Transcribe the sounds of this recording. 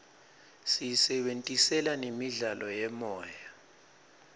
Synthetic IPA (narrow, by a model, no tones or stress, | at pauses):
sijisɛɓentʼisɛlanemiɮalʔɔjɛmɔːja